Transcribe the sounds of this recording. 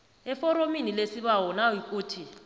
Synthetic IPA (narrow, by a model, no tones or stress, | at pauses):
ɛfɔɾominilesiɓawɔnawjikʼuːtʰi